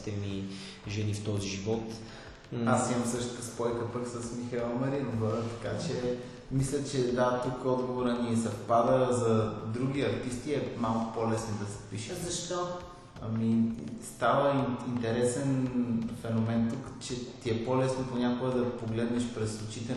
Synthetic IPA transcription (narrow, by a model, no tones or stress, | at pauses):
t̪ɛmi | ʒɛnift̪ɔziʒivɔt̪ | asimɐmsɤʃt̪kəspɔjkəpəksəsmixɐilˠmɐɾinoɡoɾət̪ɐkat͡ʃɛ | mislʲət͡ʃɛd̪at̪ukɔd̪ɡovoɾəniɛzɐpad̪əɾəzɐd̪ɾuɡʲiɐɾt̪ist̪iɛmalˠkʊ̥polɛsnod̪ɐsɛ̥piʃɛzɐʃt̪o | ɐ̰mist̪avəiint̪ɛɾɛsɛnfɛnomɛnt̪ukt͡ʃɛt̪iɛpolɛsnoponʲakoɡəd̪ɐpoɡlɛd̪nɛʃpɾɛslˠut͡ʃit̪ɛ